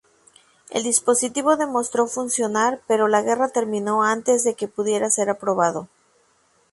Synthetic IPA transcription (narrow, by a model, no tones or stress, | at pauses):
ḛld̪ispo̞sit̪iβo̞ðe̞mo̞st̪ɾo̞funsjo̞naɾpe̞ɾo̞laɣe̞rat̪e̞ɾmĩno̞ant̪e̞zðe̞ke̞puðje̞ɾase̞ɾapɾo̞β̞aðo̞